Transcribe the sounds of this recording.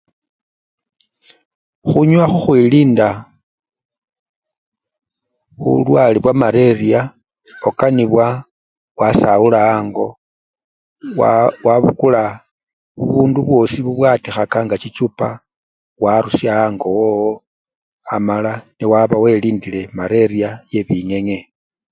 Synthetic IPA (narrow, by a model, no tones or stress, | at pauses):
xuɲwaxuxwiliːnda | ṵlwaliβwamaɾe̞ria | okaniβwa | wasaulaaːŋɡo̞ | wawaβṵkula | βuβuːnduβwo̞siβuβwaːtixakaŋɡat͡ʃit͡ʃupa | waɾusjaaŋɡo̞woo | amalaniwaβawe̞liːndile̞maɾe̞ɾiaje̞βiŋe̞ŋe